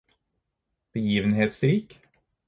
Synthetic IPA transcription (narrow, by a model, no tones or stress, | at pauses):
b̥əjiːʋənɦeːt̪sɾiːk